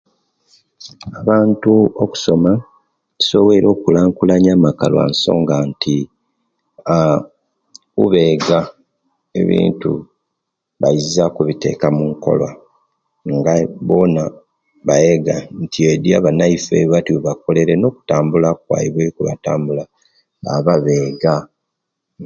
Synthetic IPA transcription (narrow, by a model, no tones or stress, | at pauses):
aβaːntuoku̥so̞mḁ | so̞βe̞ɾo̞ːkulaːŋkulaɲaːmaka̰lwa̰nso̞̰ːŋɡantʰi | a | uβe̞ɡa | e̞̰βḭːntṵ | βaizakuβite̞̰kamuŋko̞̰lwa̰ | ŋɡaβo̞na | βajeɡantʰiedjaβanaifḛβatiuβako̞le̞ɾeno̞ːku̥taːmbulakwa̰jiβwekuβa̰taːmbula | βa̰βaβe̞ːɡa